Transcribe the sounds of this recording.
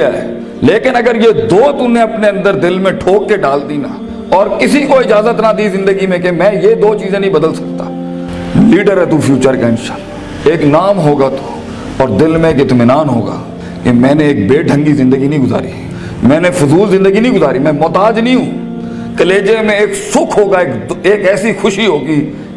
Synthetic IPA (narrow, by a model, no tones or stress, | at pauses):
aɛː | leːkɪnɐɡəɾjed̪oːt̪ʊnẽɐpneɐ̃nd̪əɾd̪ɪlmẽʈʰoːk̚keɖaːlt̪ina | ɔːɾkɪsikoɪd͡ʒaːzət̪nad̪izɪ̃nd̪əɡimẽkemɛ̃ːjed̪oːt͡ʃiːzẽnəĩbəd̪əlsə̥k̚t̪a | liːɖəɾɛt̪uːfʰjuːt͡ʃəɾkaɪ̃nʃaːl | eːknaːmɦoːɡat̪ʰo̥ | ɔːɾd̪ɪlmẽeːkɪt̪mɪnaːnɦo̰ːɡa̰ː | kemɛ̃ːnẽeːk̚beːɖʱə̃ŋɡizɪ̃nd̪əɡinəɦĩɡʊza̰ːɾḭ | mɛ̃ːnefʊzuːlzɪ̃nd̪əɡinəĩɡʊzaːɾimɛ̃ːmɔːt̪aːd͡ʒnĩɦũː | kəleːd͡ʒemẽeːksʊkʰɦoːɡaeːkeːkɛːsixʊʃiɦoːɡiː